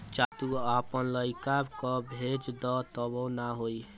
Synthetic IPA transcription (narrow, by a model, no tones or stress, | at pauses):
t͡ʃat̪uapənləjkabkɔbʱed͡ʒd̪ɔt̪əbɔ̃naɦoi